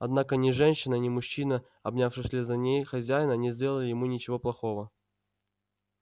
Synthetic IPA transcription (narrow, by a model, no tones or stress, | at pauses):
ɐd̪nakənʲɪʐɛnʲɕːɪnənʲɪmʊɕːinə | ɐbnʲafʂɨxsʲlʲɪzɐnʲejxɐzʲæjɪnənʲɪzʲdʲe̞lˠəlʲɪjɪmunʲɪt͡ɕɪvo̞plˠɐxo̞və